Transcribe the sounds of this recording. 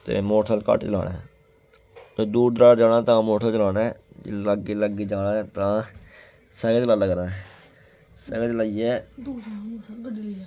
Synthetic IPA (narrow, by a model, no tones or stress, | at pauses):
t̪ḛːmoːʈʰəlkə̰ʈt͡ʃəla̰ːnãː | eːd̪uːɾd̪ɾaːd͡ʒaːnãːt̪ãːmoːʈʰəlt͡ʃəlaːnɛ̃ːd͡ʒḛləɡiːləɡiːd͡ʒaːnaːt̪ãː | səɡəːt͡ʃlaːləɡəɾãː | səɡət͡ʃlaːiɛː